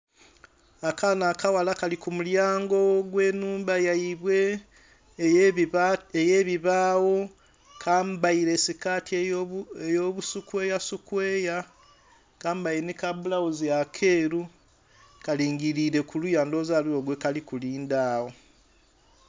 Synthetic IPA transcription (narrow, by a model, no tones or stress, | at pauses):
akanaːkawalakalikumuljaːŋɡo̞ɡwe̞ːnuːmbajaiβwe̞ | ejeβiβaːwo̞ | kʰaːmbaiɾe̞sikaːtiejoβusukwe̞ːjasukweːja | kaːmbajinekaβulawoziakʰe̞ɾu | kaliːŋɡiɾiɾe̞kulujaːndo̞ːzalioːɡwekalikuliːndawo